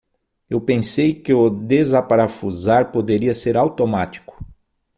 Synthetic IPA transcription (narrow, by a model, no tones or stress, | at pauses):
ewpẽsejkɪʊd̪ezapaɾafuzaɾpod̪eɾiɐseɾawt̪omat͡ʃi̥kʊ̥